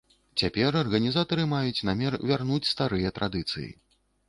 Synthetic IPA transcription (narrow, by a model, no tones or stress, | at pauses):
t͡sʲapʲɛrɐrɣɐnʲizat̪ɐɾɨmajut͡sʲnamʲɛrvʲarnut͡sʲst̪aɾɨjɐt̪ɾʔad̪ɨt̪sɨ̰jḭ